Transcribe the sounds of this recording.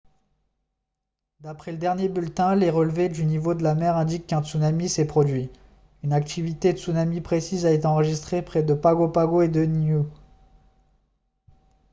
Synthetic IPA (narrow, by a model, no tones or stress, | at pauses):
d̪apχɛləd̪ɛʁnjebylt̪ɛ̃leʁəlved̪ynivod̪əlamɛʁɛ̃d̪ikːɛ̃t̪sunamisɛpχɔd̪ɥi | ynakt̪ivit̪et̪sunamipχesizaet̪eɑ̃ʁəʒist̪χepχɛd̪əpaɡopaɡoed̪ənu